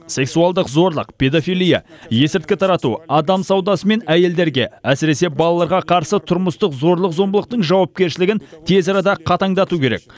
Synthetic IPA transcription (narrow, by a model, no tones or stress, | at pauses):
se̞ksuɑlˠd̪əqzo̞ɾlˠəqpʲʰe̞d̪ofijlˠija̰ | je̞sɪɾt̪kʲɪt̪ʰɑɾɑt̪ṵɑd̪ɑmsɑwd̪ɑsəme̞næje̞ld̪e̞ɾɡʲe̞̰æsɪɾe̞se̞bɑlˠɑlˠɑɾʁɑqʰɑɾsət̪ʰʊɾməst̪əqzo̞ɾlˠəqzo̞mbəlˠəq̚t̪əɴʒɑwɑp̚kʲe̞ɾʃɪlɪɡʲɪnt̪ʰe̞zɑɾɑd̪ɑqʰɑt̪ɑŋd̪ɑt̪ukʲʰe̞ɾe̞̰k̚